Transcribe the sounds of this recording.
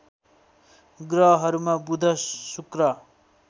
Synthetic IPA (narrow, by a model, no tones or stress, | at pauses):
ɡrʌɦʌɾumabud̪ʱʌsukrʌ